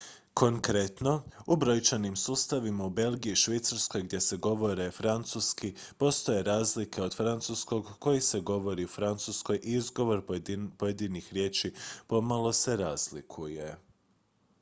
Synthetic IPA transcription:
kʰo̞ŋkɾe̞t̪no̞ubɾo̞jt͡ʃanimsuːst̪aʋimaube̞lˠɡiiʃʋejt̪saɾsko̞jɡd̪je̞se̞ɡo̞ʋo̞ɾe̞fɾant̪suskipo̞st̪o̞je̞ɾaːzlikʰe̞o̞d̪fɾant̪susko̞ɡko̞jise̞ɡo̞ʋo̞ɾiufɾant̪susko̞jʔiizɡo̞ʋo̞ɾpojed̪inixɾje̞ːt͡ʃipo̞malˠo̞se̞ɾaːz̥lḭkʰuje̞

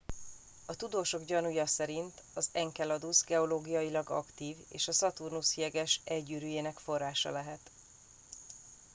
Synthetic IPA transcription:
ɒt̪ud̪oːʃo̞ɡɟɒnujɒsɛɾint̪ɒzɛŋkɛlɒd̪uzɡɛo̞loːɡijɒjilɒɡɒ̰kt̪iːveːʃɒsɒt̪urnushijɛɡɛʃɛlɟyːɾyjeːnɛkfo̞rːaːʃɒ̰lɛɦɛt̪

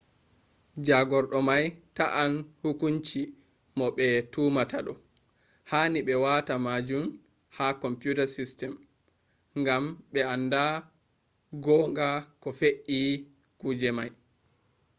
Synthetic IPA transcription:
d͡ʒaɡɔɾɗɔmajtaʔanhukuɲt͡ʃi | mɔɓɛtuːmataɗɔ | haniɓɛwatamad͡ʒum | hakɔmpjutasistɛm | ŋɡamɓɛanda | ɡɔːŋɡakɔfeʔi | kud͡ʒɛmaj

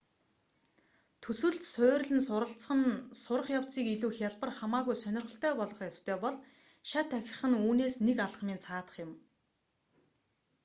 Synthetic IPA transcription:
t̪ʰɵsɘ̆ɮt̪sʊːrɮɘ̆nsʊɾə̆ɬt͡səχə̆nsʊɾə̆χjaw̥t͡siːkiɮuːxjaɮpə̆rχamaːɣujsœnʲɪrʁə̆ɬt̪ʰœːpɔɮɞ̆χjɔst̪ʰœːpɔɮ | ʃat̪ʰːæxʲɪ̥̆χɘ̆nuːneːsnekaɮχ̆miːnt͡sʰaːt̪ə̥̆χjɪ̆m

